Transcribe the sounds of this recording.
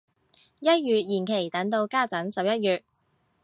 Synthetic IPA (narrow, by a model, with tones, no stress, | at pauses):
jɐ˥t̚jyː˨t̚jiː˨˩nkʰe˨˩jt̪ɐ˨˥ŋt̪o˧wkaː˥˩t͡sɐ˨˥nsɐ˨p̚jɐ˥t̚jyː˨t̚